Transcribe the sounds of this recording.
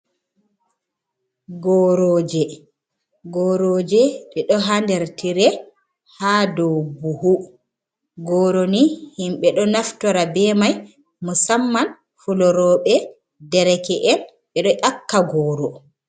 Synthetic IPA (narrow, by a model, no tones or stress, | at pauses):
ɡɔɾɔːd͡ʒɛ | ɡɔːɾoːd͡ʒɛɗɛɗɔɦandɛɾtiɾɛ | haːdɔwbuhu | ɡɔːɾonihimɓɛɗɔnaftɔɾabɛmaj | musamːan | fulɔɾɔːɓɛ | dɛɾɛkɛʔɛn | ɓɛɗɔʔakːaɡɔːɾɔ